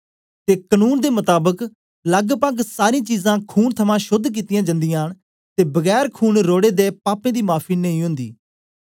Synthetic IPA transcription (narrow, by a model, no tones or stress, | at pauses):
t̪eːkənuːnd̪eːmʊt̪aːbək | ləɡpəɡsaːɾĩːt͡ʃiːzãːkʰuːnt̪ʰəmãːʃʊd̪ʱk̬iːt̪ɪjãːd͡ʒə̃nd̪ɪjãːɳ | t̪eːbəɡɛːɾkʰuːnɾoːɽeːd̪eːpaːpẽːd̪iːmaːpʰiːnəĩːɦʊ̃nd̪ḭː